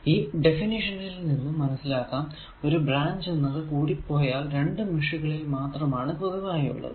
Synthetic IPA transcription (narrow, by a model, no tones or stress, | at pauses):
iːɖe̞finiʂɐnilninːumːɐnɐsːilaːkːam | o̞ɾubraːɲd͡ʑenːɐðɨkuːɽipːo̞ːjaːlɾe̞ɳɖɨmiʂuɣɐɭelmaːt̪rɐmaːɳɨpɐðuʋaːjiṵɭːɐ̰ðɨ̰